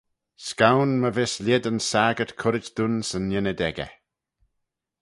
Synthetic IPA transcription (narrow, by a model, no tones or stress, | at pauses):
skawnməvɪslʲjɪd̪ənsaːɡətkʰʊɾɪtd̪̥unsənːjɪnəd̪ɛɡə̰